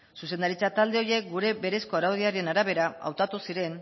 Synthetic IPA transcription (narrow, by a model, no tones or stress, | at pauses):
suse̞nd̪aɾit͡sat̪ald̪e̞o̞je̞k̚ɡuɾe̞βe̞ɾe̞sko̞aɾawðiaɾienaɾaβ̞e̞ɾaa̰wt̪at̪usiɾe̞n